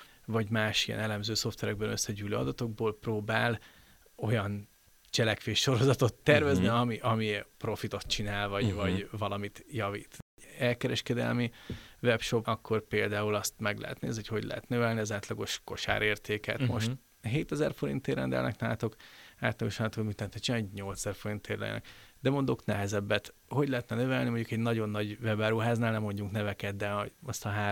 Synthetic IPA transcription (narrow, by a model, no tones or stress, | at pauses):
vɒɟmaːʃijɛ̰nɛlɛmzøːso̞ft̪vɛɾɛɡ̚bɛnøsːɛɟyːløːɒd̪ɒt̪o̞ɡ̚boːlproːbaːl | o̞jɒn | t͡ʃɛlɛkʋeːʃːo̞ɾo̞zɒt̪o̞t̪ːɛrvɛzniɒmiʔɒmipro̞fit̪o̞t̪̚t͡ʃinaːlvɒɟvɒɟvɒlɒmit̪jɒvḭːt̪ | ɛlkɛɾɛʃkɛd̪ɛ̰lmivɛpʃo̞pɒkːo̞rpeːld̪aːulɒst̪mɛɡlɛ̰ɦɛ̰t̪nḛːziocho̞ɟlʔɛ̰ɦɛt̪nøvɛlniɒzaːt̪lɒɡo̞ʃko̞ʃa̰ːɾeːrt̪eːkɛ̰t̪mo̞ʃt̪ | ɦeːt̪ɛzɛrfo̞ɾḭnt̪ːeːrɾɛ̰nd̪ɛ̰lnʔɛ̰knaːt̪o̞kaːt̪lɒɡoʃaːlːt̪okd̪mit̪ːɛnt̪ːɛt͡ʃinaːlɟɲo̞lt̪sɛzɛrfo̞ɾint̪ːeːrlɛ̰jnɛ̰kd̪ɛmond̪o̞knɛɦɛzɛbːɛt̪ | ho̞ɟlɛɦɛt̪nɛnøvɛlnimo̞ɲɟukɛɟnɒɟo̞nːɒɟvɛbaːɾuɦaːznaːlnɛmo̞ɲɟuŋknɛvɛkɛd̪̚d̪ɛɒst̪ɒɦaː